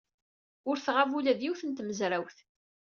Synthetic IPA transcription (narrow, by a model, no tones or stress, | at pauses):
ʊɾθʁavulæðjiwθənt̪məzɾæwθ